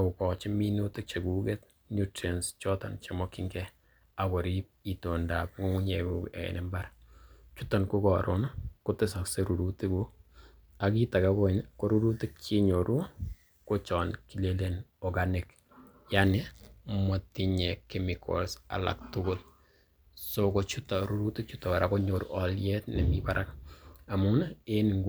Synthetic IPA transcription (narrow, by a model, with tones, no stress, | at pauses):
ʊ˨kɔ˨t͡ʃɪ˦mi˦no˦tɪ˦k̚t͡ʃe˨ɡuɡe˦t | njutɾenst͡ʃɔ˦tɔnt͡ʃe˨mɔ˦kiŋɡɛ˦ | a˨kɔ˨ɾip̚i˨to˨nda˨p̚ŋo˦ŋu˦ɲe˨ɡukḛ˨nɛmbaɾ | t͡ʃu˦tɔ˨nku˦kɔɾonkʊtɪ˦sa˨kse˦ɾu˨ɾu˦ti˦ku˦ | aki˦ta˨ka˦ko˦˨nko˦ɾu˦ɾu˦tɪ˦k̚t͡ʃi˦ɲo˨ɾʔu˦ | ko˦t͡ʃɔ˨nkile˦lenɔɡanɪ˨k | janemo˨ti˨ɲɛ˨kemɪkʰɔ̰lsa̰˨la̰˨k̚tʊɡʊt̚ | sokot͡ʃu˦ta˨ɾu˦ɾu˦tɪ˦k̚t͡ʃutɔ˨a˨ɾa˨ko˦ɲo˨ɾṵʔɔljɛtnɛ˨mibaɾʔa̰ka˨munae˦ni˨ŋɡ